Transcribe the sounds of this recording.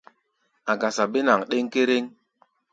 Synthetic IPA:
a˨ɡa˨sa˨be˦na˨ŋɗe˦ŋke˦ɾe˦ŋ

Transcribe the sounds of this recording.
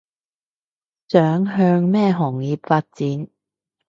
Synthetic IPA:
t͡sœː˨˥ŋɦœː˧ŋmɛː˥˧ɦɔː˨˩ŋjiː˨p̚faː˧t̚t͡siː˨˥n

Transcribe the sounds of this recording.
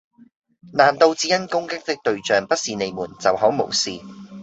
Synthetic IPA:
naː˨˩nt̪o˧wt͡siː˨˥jɐ˥nkʊ˥ŋkɪ˥k̚t̪ɪ˥k̚t̪ɵ˧ɥt͡ʃœː˨ŋpɐ˥t̚siː˨ne˨˧jmuː˨˩nt͡sɐ˨whɔː˨˥wmo̰˨˩wsiː˨

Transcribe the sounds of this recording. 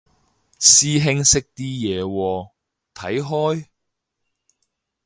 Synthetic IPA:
siː˥ɦɪ˥ŋsɪ˥k̚t̪iː˥jɛː˨˧wɔː˧ | t̪ʰɐ˨˥jɦɔː˥j

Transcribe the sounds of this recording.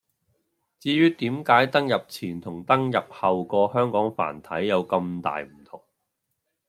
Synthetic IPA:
t͡siː˧jyː˥t̪iː˨˥mkaː˨˥jt̪ɐ˥ŋjɐ˨p̚t͡sʰiː˨˩nt̪ʰʊ˨˩ŋt̪ɐ˥ŋjɐ˨p̚hɐ˨wkɔː˧hœː˥ŋkɔː˨˥ŋfa̰ː˨˩nt̪ʰɐ˨˥jːɐ˨˧wkɐ˧mt̪a̰ː˨jm̩˨˩t̪ʰʊ˨˩ŋ

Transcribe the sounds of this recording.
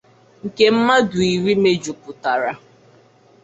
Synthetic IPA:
ŋ̩˨ke˦m̩˦ma˦dʊ˨i˨ɾi˦me˦d͡ʒu˨kʊ˨ta˨ɾa˨

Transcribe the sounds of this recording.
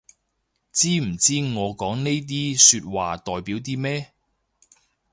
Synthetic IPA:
t͡siː˥m̩˨˩t͡siː˥ŋɔː˨˧kɔː˨˥ŋne˥jt̪̬iː˥syː˧t̚waː˨t̪ɔː˨jpiː˨˥wt̪̬iː˥mɛː˥

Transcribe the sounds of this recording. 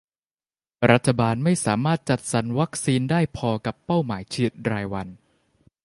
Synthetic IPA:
ɾa˦˥t̪ʰːa˧baː˧nma˥˩jsaː˩˦maː˥˩t̪̚t͡ɕa˨˩t̪̚sa˩˦nwa˦˥k̚siː˧ndaː˥˩jpʰɔː˧ka˨˩pːa˥˩wmaː˩˦jt͡ɕʰɯ˥˩t̪̚ɾaː˧jwa˧n

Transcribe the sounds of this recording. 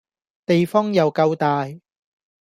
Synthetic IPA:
t̪e˨jfɔː˥ŋjɐ˨wkɐ˧wt̪aː˨j

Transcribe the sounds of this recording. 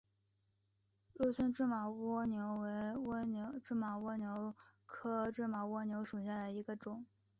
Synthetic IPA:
lɔ˥˧ɕɛ˥nʈ͡ʂɻ̩˥˩mɑ˨˩ʊwɔ˥njo˧˥ʊwe˧˥ɪ˥˧˥ʈ͡ʂɻ̩˥˩mɑ˨˩ʊwɔ˥njo˧˥ʊkʰɤ˥ʈ͡ʂɻ̩˥˩mɑ˨˩ʊwɔ˥njo˧˥ʊʂu˨˩ɕja˥˩d̪ə˩i˧˥ɡə˧ʈ͡ʂʊ˨˩˦ŋ

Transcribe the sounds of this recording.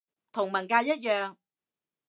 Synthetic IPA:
t̪ʰʊ˨˩ŋmɐ˨˩nkaː˧jɐ˥t̚jœː˨ŋ

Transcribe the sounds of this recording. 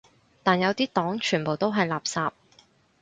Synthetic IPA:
t̪aː˨˩njɐ˨˧wt̪iː˥t̪ɔː˨˥ŋt͡ʃʰyː˨˩npo˨wt̪o˥wɦɐ˨jlaː˨p̚saː˧p̚

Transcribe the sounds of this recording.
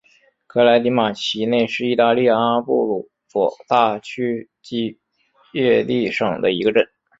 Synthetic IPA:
kʰɤ˥la˧˥ɪt̪i˧˥ma˨˩t͡ɕʰi˧˥ne˥˧ɪʂɻ̩˥˧i˥˧t̪a˥˧li˥˧ja˥˧a˥pu˥˩lu˧˩˥ | fɔ˨˩t̪a˥˩t͡ɕʰy˥ | t͡ɕi˥ | jɛ˥˧li˥˩ʂɤ˨˩ŋd̪ə˦i˧˥ɡə˧ʈ͡ʂə˥˩n

